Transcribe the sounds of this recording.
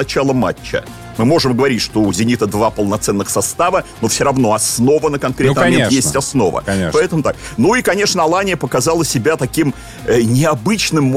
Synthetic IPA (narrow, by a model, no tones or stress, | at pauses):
ɐt͡ɕalˠəma̰t͡ɕːə̰ | mɨmo̞ʐɨmɡəvɐɾʲitʲʂt̪o̞ʊzʲɪnʲit̪əd̪vapəlˠnɐt̪sɛnːɨxsɐst̪avəno̞fsʲoɾɐvno̞ɐsno̞vənəkɐnkɾʲemejesʲt̪ʲɐsno̞̰və̰epɐɛt̪əmʊt̪ak̚nuikɐnʲe̞ʂnəɐlˠanʲɪjəpəkɐzalˠəsʲɪbʲat̪ɐkʲim | ənʲɪɐbɨt͡ɕnɨmː